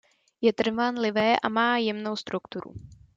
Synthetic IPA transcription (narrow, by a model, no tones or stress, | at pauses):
jɛt̪r̩vanlɪvɛːʔa̰maːjɛmno̞wst̪ɾukt̪uɾṵ